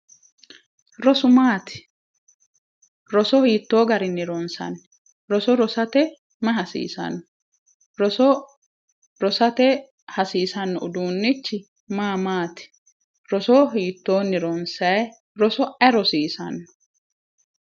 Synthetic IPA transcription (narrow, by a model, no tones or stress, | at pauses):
ɾɔsʊmaːt̪ɪ̥ | ɾɔsɔhiːt̪ːoːɡɐɾɪnɪɾɔnsɐ̰n | ɾɔsɔɾɔsɐt̪ɛ | mɐɦɐsḭːsɐ̰nːɔ | ɾɔsɔ | ɾɔsɐt̪ɛ | hɐsiːsɐnːɔʔʊd̪uːnːɪt͡ʃːɪ | maːmaːt̪ɪ̥ | ɾɔsɔɦiːt̪ːo̞ːnɪɾɔnsɐj | ɾɔsɔɛɾɔsiːsɐ̰nːɔ̥